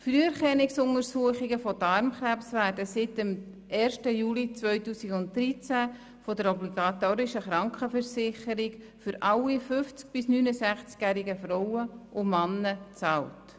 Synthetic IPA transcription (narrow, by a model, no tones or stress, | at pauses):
fɾyːəɾχɛnɪksʊŋəɾsuəχɪɡəfɔdɑɾmχɾæpsʋæːɾdəsɪtəm | ɛːrʃtəjuːlit͡sʋœʏtuːsiɡʊnt̚dɾit͡sæ | fɔdəɾɔbliɡɑt̪oːɾɪʃəχɾɑŋkχəfəɾsɪχəɾɪɡ | fʏɾʔɑlːifʏft͡sk̚b̥ɪsnyːnəsæχt͡skjæɾiɡəfɾɔwəʔʊmɑnːət͡sɑːlt